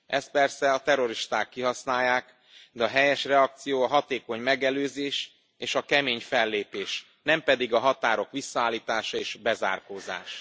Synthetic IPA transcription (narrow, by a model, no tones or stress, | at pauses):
ʔɛst̪̚pɛrsɛɒt̪ɛɾo̞ɾiʃt̪aːkːiɦɒsnaːjːaːk | d̪ɛɒɦɛjɛʃrɛɒk̚t̪sijoːɒɦɒt̪eːko̞ɲmɛɡɛløːzeːʃ | eːʃɒkɛmeːɲfɛlːeːpeːʃ | nɛmpɛd̪iɡɒɦɒt̪aːɾo̞kʋisːɒaːlːiːt̪aːʃɒeːʃbɛza̰ːrkoːza̰ːʃ